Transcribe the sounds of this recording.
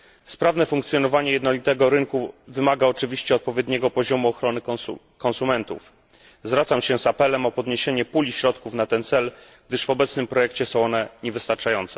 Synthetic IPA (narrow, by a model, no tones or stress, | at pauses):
spɾavnɛfuŋkt̪sʲjɔnɔvaɲɛjɛd̪nɔlʲit̪ɛɡɔɾɘŋkuvɘmaɡaɔt͡ʂɘvʲiɕt͡ɕɛɔt̪̚pɔvʲjɛd̪ɲɛɡɔpɔʑɔmuɔxɾɔnɘ | kɔnsumɛnt̪ṵf | zvɾat̪samɕɛzapɛlɛmɔpɔd̪ɲeɕeɲɛpulʲiɕɾɔt̪kufnat̪ɛnt̪sɛlɡ̚d̪ɘʂvɔbɛt̪snɘmpɾɔjɛkt͡ɕɛsɔ̃w̃ɔnɛɲɛvɘst̪aɾt͡ʂajɔnt̪sɛ